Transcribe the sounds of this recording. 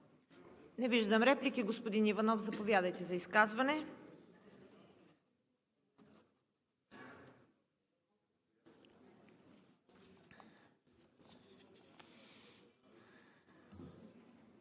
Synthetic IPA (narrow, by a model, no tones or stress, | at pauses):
nɛviʒd̪əmɾɛplikiɡospod̪inivɐnɔfzɐpovʲjad̪əjt̪ɛzɐiskazvɐnɛ